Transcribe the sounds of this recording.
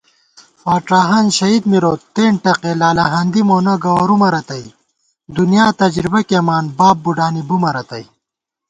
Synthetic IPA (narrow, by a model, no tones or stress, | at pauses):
waːʈaːɦɐnɕɐid̪miɾoːt̪eːɳʈɐqelaːlɐɦɐnd̪imoːnɐɡɐwɐɾumɐɾɐt̪ɐj | d̪unjaːt̪ɐd͡ʑɾibɐkeːmaːnbaːb̚buɖaːnibumɐɾɐt̪ɐj